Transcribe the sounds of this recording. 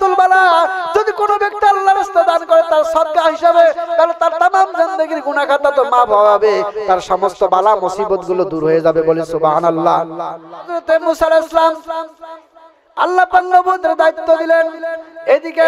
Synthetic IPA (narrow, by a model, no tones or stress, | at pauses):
t̪ulbalad͡ʑod̪ikonobek̚t̪ialːaɾust̪ed̪ankɔɾet̪aɾʃɔt̪̚ɡaɦiʃabet̪alet̪aɾt̪amamzind̪əɡiɾɡunakʰat̪at̪omapɦɔbeɔbet̪aɾʃɔmost̪obalamosibot̪̚ɡulod̪uɾɦojed͡ʑabebolesuba̰nalːad̪ɾot̪emusalaoslam | a̰lːapaknobud̪eɾd̪ait̪ːod̪ilened̪ike